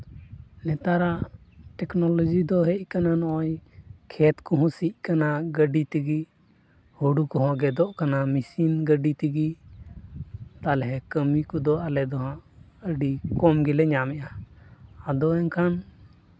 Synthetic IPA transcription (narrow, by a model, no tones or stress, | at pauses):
nɛt̪aɾaʔʈɛknɔlɔd͡ʒid̪ɔɦɛc̚ˀkananɔɔjkʰɛt̪kɔɦɔ̃sic̚ˀkanaɡəɖit̪iɡi | huɖukɔɦɔ̃ɡɛd̪ɔʔkanamisinɡəɖit̪iɡi | t̪alɛɦɛkəmikɔd̪ɔʔalɛd̪ɔɦãʔ | əɖikɔmɡilɛɲamɛʔaː | d̪ɔɛnkʰan